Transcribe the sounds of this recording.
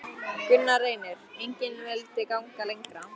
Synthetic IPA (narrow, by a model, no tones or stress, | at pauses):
kʏnːareːjnɪɾejɲcɪnmɛlt̪ɪkawŋkalejŋkɾa